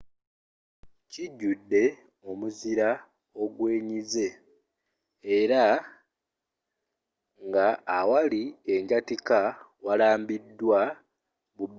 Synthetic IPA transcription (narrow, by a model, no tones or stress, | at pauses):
ciɟːudːe̞ | o̞muziɾa | o̞ɡwe̞ːɲize̞ | ɾa | ŋɡaːwalie̞ɲɟatika | walaːmbidːwa | βub